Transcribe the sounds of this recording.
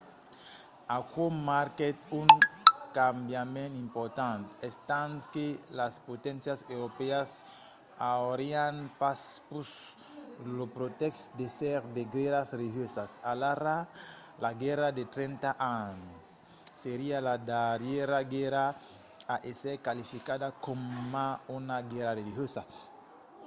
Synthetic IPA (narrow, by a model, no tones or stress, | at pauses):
akomaɾket̪uŋkambjamẽnimpoɾt̪ãnt̪est̪ãnskelaspot̪ɛ̃nsjasewɾopeas | aoɾianpaspus | lopɾot̪ɛkst̪d̪esɛɾd̪eɡeɾasreliɦjosasalaɾa | laɡɛɾad̪et̪ɾẽnt̪aʔansː | eɾialad̪aɾjeɾaɡɛɾa | aʔeseɾkalifikad̪akomːaunaɡɛɾareliɦjosa